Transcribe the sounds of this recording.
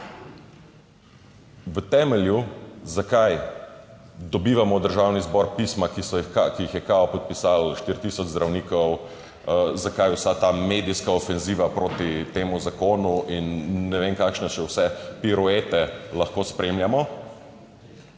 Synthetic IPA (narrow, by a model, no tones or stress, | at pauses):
ʋət̪ɛmɛljuzakaj | d̪ɔbiːʋamɔd̪əɾʒawnizbɔɾpismakisɔjikakijixjɛkaɔpɔt̪̚pisalʃt̪iɾt̪iːsɔd͡ʒzd̪ɾawniːkɔw | zakajwsat̪amed̪iskaofɛnziːʋapɾoːt̪it̪eːmuzakoːnuinːɛʋeŋkakʃnɛʃɛwsɛpiɾɔet̪ɛlɐxkoːspɾemljamɔ